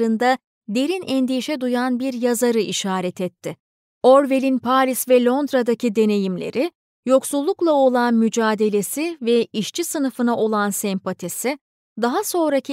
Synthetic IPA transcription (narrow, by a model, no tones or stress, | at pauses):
ɾɯnd̪a | d̪e̞ɾinɛnd̪ijʃɛd̪ujanbiɾjazaɾɯʔiʃaːɾɛt̪ʰɛt̪ʰːɪ | o̞ɾve̞lʲinpʰaːɾʲisvɛlʲˠo̞nd̪ɾad̪acid̪e̞ne̞jimlʲe̞̰ɾɪ | jo̞ksulˠːuklˠao̞lˠanmyd͡ʒaːd̪e̞lʲe̞sivɛiʃt͡ʃʰisɯnɯfɯnaʔo̞lˠansɛmpat̪ʰisɪ | d̪aɦaso̞nɾacʰi